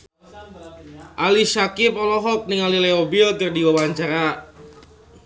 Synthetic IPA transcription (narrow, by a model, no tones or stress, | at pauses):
ʔalisakɪp̚ɔlɔɦɔk̚nɪŋalileobɪlt̪ərdiwawaɲt͡ʃaɾa